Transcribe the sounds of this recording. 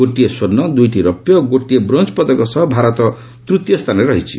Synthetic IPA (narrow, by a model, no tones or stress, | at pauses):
oʈːijeswʌrnːʌd̪ujʈiɾʌpjʌɡoʈijebrʌnt͡spʌd̪ʌkɔsʌɦbʱaɾʌt̪ʌ | t̪rut̪jʌst̪ʰaneɾʌɦit͡sʰi̥̰